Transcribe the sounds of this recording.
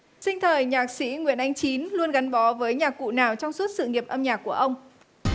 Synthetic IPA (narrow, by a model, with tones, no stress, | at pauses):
sï˧ŋ̟t̪ʰəː˨˩jɲaː˨˩k̚sḭ˧˥ŋwḭ˧˨ənʔa˧jŋ̟t͡ɕi˨˦nlu˧ənɣa˨˦nɓɔ˨˦vəː˨˦jɲaː˨˩kːṵ˧˨naː˨˩wt͡ɕɔ˧wŋ͡msu˦˥t̚sɨ̰˧˨ŋi˨˩əp̚ʔə˧mɲaː˨˩k̚ːu˧˩əʔə˧wŋ͡m